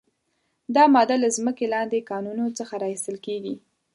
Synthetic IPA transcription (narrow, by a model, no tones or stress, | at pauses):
d̪ɑmɑd̪alazməkelɑnd̪ekɑnunot͡səxaɾɑist̪əlkeɡi